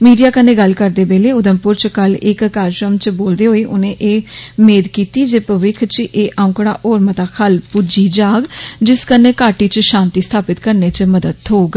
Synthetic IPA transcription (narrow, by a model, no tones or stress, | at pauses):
miːɖijaːkənːeːɡəlkəɾd̪eːbeːleːʊd̪əmpʊɾt͡ʃkəlɪkːaːɾʃɾəmt͡ʃboːld̪eːɦoːeːʔʊnẽːʔeːmeːd̪kiːt̪iːd͡ʒeːpəʋɪkʰt͡ʃʔeːʔãːʊ̃kɽaːʔoːɾmət̪aːkʰəlpʊd͡ʒiːd͡ʒaːɡd͡ʒɪskəneːkaːʈiːt͡ʃʃãːnt̪iːst̪ʰaːpɪt̪kəɾneːt͡ʃməd̪əd̪ɦoːɡ